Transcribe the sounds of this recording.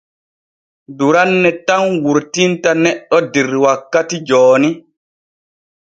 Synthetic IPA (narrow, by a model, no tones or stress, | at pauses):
duɾanːɛtanwuɾtintanɛɗːɔdiɾwakːatid͡ʒɔːni